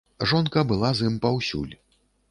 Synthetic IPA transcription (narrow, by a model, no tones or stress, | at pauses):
ʐɔnkɐbɨlˠazɨmpawsʲṵlʲ